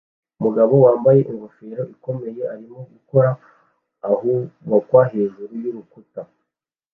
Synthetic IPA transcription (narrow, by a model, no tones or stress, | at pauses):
umuɡaβo̞waːmbaje̞ʔiŋɡofe̞ɾo̞ʔiko̞me̞je̞aɾimo̞ɡuko̞ɾaː | huwakwaɦeːnʒuɾujuɾukuta